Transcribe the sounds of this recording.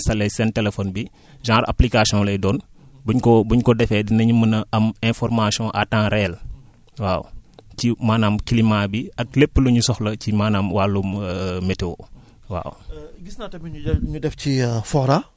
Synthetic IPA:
sɐlːɛjsɛntɛlɛfɔːnbi | ʒãːɾɐ̰plikasiɔ̃lɛjdɔːnbuɲkɔbuɲkɔdɛfɛdinɐɲumənɐɐmɛ̃fɔɾmasiɔ̃ʔatãːɾɛl | waːwcimaːnaːmkilimabiɐk̚lepːəluɲusɔxlɐcimaːnaːmwaːlummɛtewo̰ | wa̰ːwɡisnatɐmiɲuɲudɛfcifɔɾa

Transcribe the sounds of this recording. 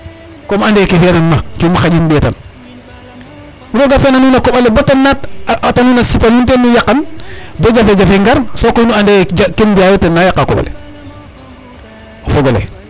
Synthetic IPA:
komandekefnanmat͡ʃumaxaɟinbeta̰n | uɾoɡafenanunakoɓalebotanːatatanuːnasipanuntenːujakːanboɟafeɟafeŋɡaɾsokoinuandeakenbiajotenːajakːako̰ba̰lḛ | ofoɡolḛ

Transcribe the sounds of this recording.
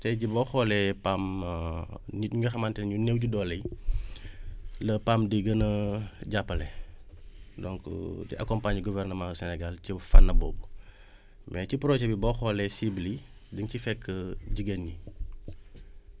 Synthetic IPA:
tɛɟibɔxɔlɛpam | ɲitɲɲɐxɐmantɛnɲunewɟudɔlɐj | lɐpamdiɡɐnəɟapːɐlɛ | dɔŋkdḭʔɐ̰kɔmpaɲɡuvɛrnəmaxsɛnɛɡalcifanːɐbɔ̰ːbu | mɛcipɾɔʒɛbibɔxɔlɛsiblidəŋcifɛkʰːəɟiɡenɲi

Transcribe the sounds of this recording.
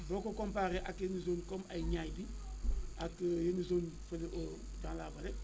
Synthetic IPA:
bokokompaːɾeʔakjenizoːnkomajɲaːjdi | akjenizoːnfeliʔo | d͡ʒãːla̰ːbale

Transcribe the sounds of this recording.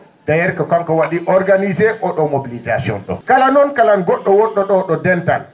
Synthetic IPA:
ɡajɛɾkakaŋkɔwaɗiʔɔɾɡanizɛʔɔɗɔmobilizasiɔ̰nɗɔ̰kalanɔnkalanɡɔɗːɔwɔɗːɔɗɔɗɔdɛntal

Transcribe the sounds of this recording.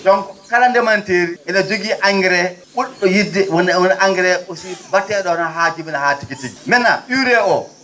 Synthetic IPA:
ɗɔŋkkalandɛmanteɾiɛnad͡ʒoɡiʔaŋɡɛɾɛɓuɗːɔjidɛwɔnnʔaŋɡɛɾɛɓosibatːɛɗɔnaɦad͡ʒiminahatikitiɡimɛnːa̰ɗuwɾɛʔɔ

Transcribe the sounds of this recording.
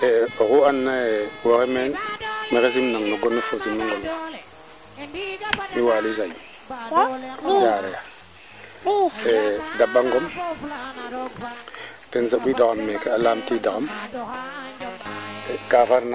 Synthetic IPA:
eokuanːaewokemenmekes̬imnaŋnoɡonːefosimːiŋɡola | miwaːlusaj | jaːɾeja | edaɓːaŋɡom | tensaɓidakamːekealaːmtidakam | kafaɾna

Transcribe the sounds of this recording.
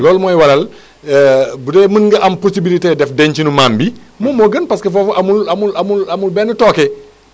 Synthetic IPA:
lɔːlmɔːjwɐlɐl | budɛːmənŋɡɐʔɐmposibilitedɛfdɛɲt͡ʃinumaːmbi | momɔːɡənpɐskefɔːfʔamulɐmulɐmulɐmulbɛːnətɔːkɛ

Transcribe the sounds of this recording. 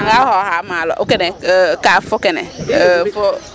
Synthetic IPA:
ɡahɔɦamalɔ̰ʔokɛnɛkafʊkɛnɛ̰fo

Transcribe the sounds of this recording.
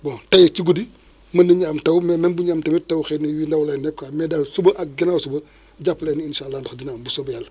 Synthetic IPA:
botajet͡ʃiɡudi | mɐnːiɲaːmtɐwmemenbuɲaːmtɐmitɐwxeːniwindawlenːɛkːamedalsubɐʔaɡinawsubɐ | ɟapleːninʃalːaːndoxdinaːmbusobjal

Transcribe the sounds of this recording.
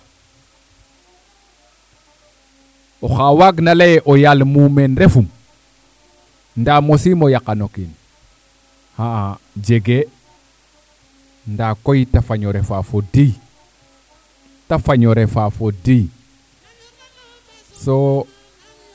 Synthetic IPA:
oxawaɡnalejʔojalmumenɾefum | ndamosimojakanokin | haa | d͡ʒeɡe | ndakojtafaɲoɾefafodij | tafaɲoɾefafodij | so

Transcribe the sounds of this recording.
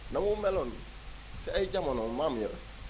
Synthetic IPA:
namumelon | siaiɟamanomaːmujaɾ

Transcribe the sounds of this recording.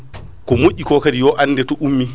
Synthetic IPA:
kɔmoʔːikɔkadijɔʔanːdɛtɔʔumːi

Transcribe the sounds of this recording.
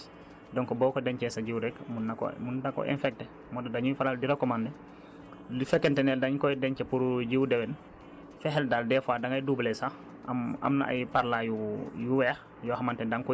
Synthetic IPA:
dɔŋkɔbɔːkɔdɛɲt͡ʃɛsaɟiwɾɛkmunːakɔ̰mundakɔ̰ʔɛ̰nfɛk̚tɛ | mɔdadaɲujfalaldiɾakːɔmandɛ | difɛkːɛntɛnɛldaɲkɔjdɛɲt͡ʃɛpuɾɟiwdɛwɛn | fɛɦɛldaldɛfaːdaŋajdublɛsa | ma̰mna̰ʔa̰jpaɾlajujuwɛx | jɔhamantɛdaŋkɔ

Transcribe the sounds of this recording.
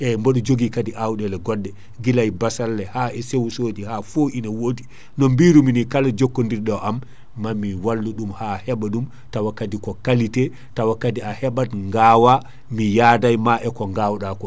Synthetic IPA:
ʔɛmbɔɗɔd͡ʒoɡikadiʔawɗɛlɛɡɔdːɛ | ɡilajbasalːɛhaɛsewsoːd͡ʒihafoʔinawodi | nɔmbiɾuminikalad͡ʒokːondiɾɗɔʔamː | amːiwalːuɗumhahɛɓaɗum | tawakːatikɔkalitɛ | tawakːatiahɛɓatŋɡaːwa | mijaːdajmaʔɛkɔŋɡawɗakɔ

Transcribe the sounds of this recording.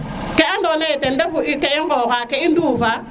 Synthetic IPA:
kɛandɔnɛtɛndɛbuʔikɛiŋɔkakɛinduva

